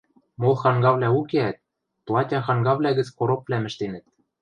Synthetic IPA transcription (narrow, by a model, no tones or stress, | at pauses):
molˠxɑŋɡɑβlʲæukeæt̪̚ | plˠɑtʲɑxɑŋɡɑβlʲæɣɘ̆t͡skoɾopːlʲæmɘ̆ʃt̪enɘ̆t̪̚